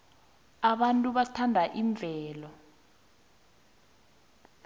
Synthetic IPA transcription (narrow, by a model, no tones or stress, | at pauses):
aɓantʼuɓatʰandʱaʔiɱb̪vʱɛːlɔ